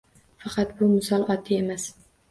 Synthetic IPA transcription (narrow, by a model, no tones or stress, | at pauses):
fɑqʰɑt̪bʊmʊsɒlˠɒt̪ʰːɪe̞mas